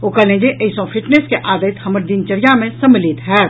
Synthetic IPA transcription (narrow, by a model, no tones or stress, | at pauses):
oːkəlẽd͡ʒeʔəisɔ̃fʰɪʈneskeʔaːd̪ət̪həməɾd̪int͡ʃəɾijamẽsəmlit̪ɦɛː